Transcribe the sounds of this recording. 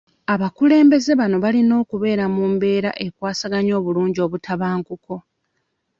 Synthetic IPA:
aβakule̞ːmbe̞ze̞βano̞βalino̞ːkuβe̞ːɾamuːmbe̞ːɾa̰ʔe̞kwaːsaɡaɲo̞ːβuluːɲɟio̞ːβutʰaβaːŋkuko̞

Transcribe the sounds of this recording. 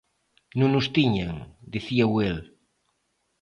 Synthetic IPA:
nũŋnʊst̪iɲaŋd̪iθiawel

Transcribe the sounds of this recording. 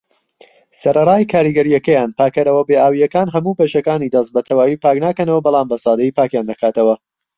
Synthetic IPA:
sɐɾɐrˤaːjkʰaːɾiɡɐɾijɐkɐjaːnpaːkɐɾɐwɐbeːaːwijɐkaːnɦɐmuːbɐʃɐkaːnid̪ɐst̪̚bɐt̪ʰɐwaːjiːpaːknaːkɐnɐwɐbɑlˠɑːmbɐsɑːd̪ɐjiːpaːkjaːnd̪ɐkaːt̪ɐwɐ

